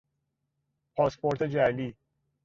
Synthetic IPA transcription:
pʰɒːspʰoɾt̪ʰed͡ʒæliː

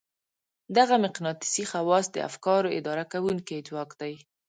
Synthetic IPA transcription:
d̪aɣamɪqnɑt̪ɪ̥sixawɑsd̪ə̰a̰fkɑɾoɪ̰d̪ɑɾakawuŋkit̪wɑkd̪aj

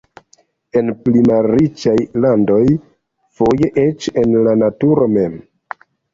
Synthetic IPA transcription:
e̞nplimalɾit͡ʃajlando̞j | fo̞jeʔet͡ʃe̞nlanatuɾo̞me̞m

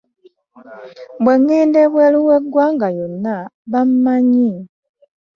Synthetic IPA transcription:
bweŋːeːndeβweluweɡːwaːŋɡajo̞nːaβam̩maɲi

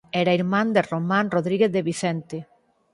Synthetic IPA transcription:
ɛɾaiɾmãnd̪eromãnroðɾiɣeθðeβiθɛnt̪e

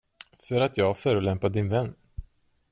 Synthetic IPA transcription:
fœɾat̪ʰjɑːɡfœːɾɵlɛmpad̪ɪnvɛnː

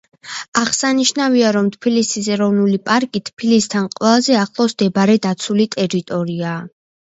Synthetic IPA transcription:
aʁsaniʃnaviaɾɔmt̪ʰpʰilisis̬ɛɾɔvnulipʼaɾkʼit̪ʰpʰilist̪ʰanqʼwɛlˠazɛaχlˠɔsd̪̥ɛbaɾɛd̪at̪sʰulit̪ʼɛɾit̪ʼɔɾiaː

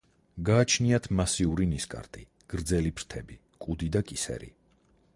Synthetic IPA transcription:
ɡaːt͡ʃʰniat̪ʰmasiuɾiniskʼa̰ɾt̪ʼi | ɡ̥ɾd̪zɛlipʰɾt̪ʰɛbi | kʼud̪id̪akʼisɛ̰ɾḭ

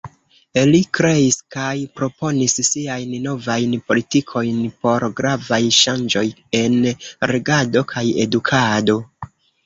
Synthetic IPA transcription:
elikɾe̞iskajpɾo̞po̞nissiajnno̞vajnpo̞litikʰo̞jnpo̞ɾɡɾavajʃand͡ʒo̞je̞nɾe̞ɡado̞kʰaje̞̰dukʰado̞

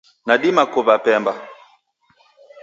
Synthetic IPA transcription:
naɗimakuβapɛmba

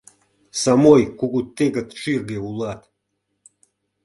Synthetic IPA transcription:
samojkuɡut̪ːeɡat̪ʂirɡeulˠat̪

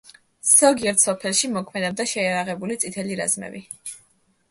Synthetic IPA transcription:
z̥ɔɡiɛɾt̪ʰsɔpʰɛlˠʃimɔkʰmɛd̪ɛb̚d̪aʃɛjaɾaʁɛbulit̪sʼit̪ʰɛliɾa̰zmɛ̰bi

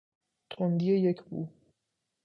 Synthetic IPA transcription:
t̪ʰond̪ijejekʰbṵː

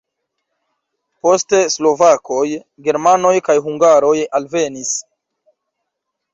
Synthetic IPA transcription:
po̞ste̞slo̞vakʰo̞j | ɡe̞ɾmano̞jkajɦuŋɡaɾo̞jalve̞nis

